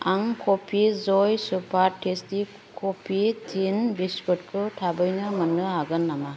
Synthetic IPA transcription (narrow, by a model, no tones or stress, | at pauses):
aŋkʰopʰizɔjsupʰaɾtʰesti | kʰopʰitʰinbiskut̚kʰɯtʰabɯjnɯmɯnːɯaɡɯnːama